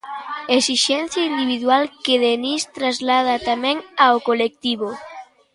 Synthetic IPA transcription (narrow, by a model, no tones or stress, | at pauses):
esiʃɛn̟θjaind̪iβiðwalkeðenist̪ɾazlað̞at̪amɛ̃ŋaokolek̚t̪iβo